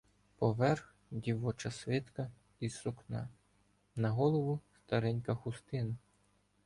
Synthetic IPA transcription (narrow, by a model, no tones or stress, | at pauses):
pɔʋɛrx | dʲiʋɔt͡ʃɐsʋɪt̪kɐ | isʊknɑ̰ | nɐɦɔlˠɔʋʊst̪ɐɾɛnʲkɐxʊst̪ɪnʊ